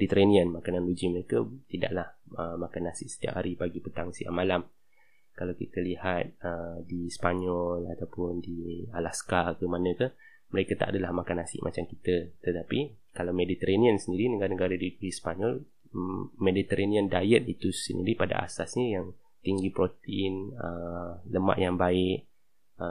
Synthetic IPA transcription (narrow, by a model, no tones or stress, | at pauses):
mdit̪əɾanĩənmakananlud͡ʒiməɾekət̪ida̰ʔlahəmakanasɪʔ̚sə̥t̪ia̰ʔhaɾibaɡipət̪aŋsia̰ʔmalam | kalawkḭt̪əlihat̪̚ədispaɲɔlat̪awpʊndialaskakəmanə̃kə | məɾekət̪a̰ʔa̰dəlahmakanasɪ̰ʔmʔa̰t͡ʃamkit̪ət̪ət̪api | kalawmedit̪əɾaniənsəndiɾinəɡaɾanəɡaɾadiikuhispaɲɔl | medit̪əɾʔaniəndajət̪̚it̪usə̰ndḭɾipada̰ʔa̰sasɲəjaŋ | t̪iŋɡipɾot̪inələma̰ʔjaŋbaɪʔ̚ | ə